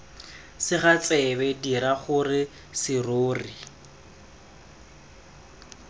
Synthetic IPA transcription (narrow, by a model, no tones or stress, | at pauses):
sɪχat͡sʼɛbɛdiɾaχʊrɪ | sɪroːri